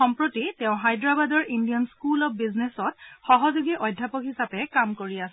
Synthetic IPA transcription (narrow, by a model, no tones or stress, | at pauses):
ɔmpɹotitɛʊ̃ɦajdɹabadɔɹʔindijɔnskulɔp̚biznesɔtxɔɦɔzuɡiʔɔjdʱːapɔkhisapɛkamkoɹias